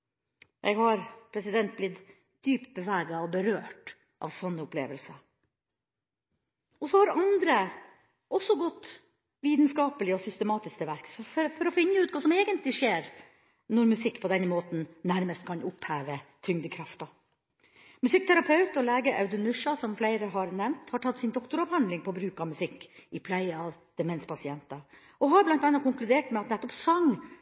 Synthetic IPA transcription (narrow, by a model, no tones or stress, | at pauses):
ʔɛ̰ɡhɑɾpʰɾɛsɪd̪ɛnt̪̚blɪt̪ | d̪̥yːpt̪̚bəʋæːɡɑɔbəɾøːʈ | ʔɑ̰ːʋsɔnːəʊplḛːʋəlsə | ɔsɔhɑɾɑnd̪ɾə | ʔɔsːɔɡɔt̪ː | ʋiːt̪nskɑːpəlɪɔsʏst̪əmɑːt̪ɪskt̪ʰɛʋæɾksɔffɔɾɔfɪnːəʉːt̪kʰɑːsɔmeːɡənt̪lɪʂeːɾ | nɔɾmʉsɪkːpʰɔd̪ɛnmoːt̪n̩næɾməst̪̚kʰɑnʔʊphæːʋət̪ʰɾʏŋd̪əkʰɾɑft̪ɑ | mʉsɪk̚ːt̪ʰæɾɑpʰɑʉt̪ɔlæːɡəɾʔɑ̰ʉd̪ʉmʉʂɑsɔmflæɪɾəɦɑɾnɛmnt̪hɑʈʰɑt̪ːsɪnd̪ɔkt̪ʊɾɑphɑnd̪lɪŋpʰɔbɾʉːkɑmʉsɪkːɪpʰlæɪɑʋd̪̥ɛmɛnspʰɑsɪɛnt̪ɑ | ɔɦɑɾblɑnt̪ɑnːɑkʰʊŋklʉd̪eːʈmɛɑt̪nɛt̪ːɔpsɑŋː